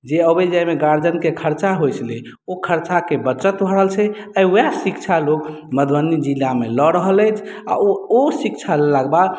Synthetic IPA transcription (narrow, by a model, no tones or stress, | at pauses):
d͡ʒeəbəd͡ʒajmeɡaɾd͡ʒənkekʰəɾt͡ʃaɦojt͡ʃʰle | okʰəɾt͡ʃakebət͡ʃət̪bʱəɾəɦəlt͡ʃʰɛəjojasikt͡ʃʰalok | məd̪ʱwənid͡ʒilːamelɔɾəɦələjt͡ʃʰa̰osikt͡ʃʰalelaɡba